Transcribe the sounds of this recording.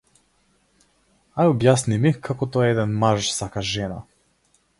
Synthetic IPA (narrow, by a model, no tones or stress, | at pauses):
ajɔbjasnimikʰakɔt̪ɔɛɛd̪ɛnmaʒsakaʒɛna̰